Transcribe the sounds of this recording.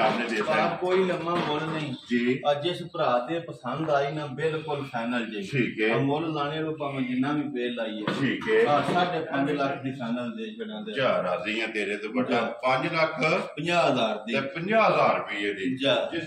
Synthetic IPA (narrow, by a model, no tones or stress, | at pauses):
aneːd̪eːakoːiːləmːãːmoːlnĩːd͡ʒiːəd͡ʒespɾaːt̪eːpəsənd̪aːiːnãːbɪlkʊlpʰɛːnəld͡ʒeiʈʰiːkɛːmoːlzaːñeːɾoːpaŋ̃ːd͡ʒɪnãːʋĩːpeːlaːiːɛːʈʰiːkɛːaːsaːɖeːpə̃ɲd͡ʒləkʰd̪iːpʰɛːnəld̪eːt͡ʃəɽãːd̪eaːɾaːziːãːt̪eːɾeːt̪oːkəʈãpəɲd͡ʒləkʰpəɲd͡ʒaːɦəzaːɾd̪iːeːpəɲd͡ʒaːɦəzaːɾpiːeːd̪iːd͡ʒaː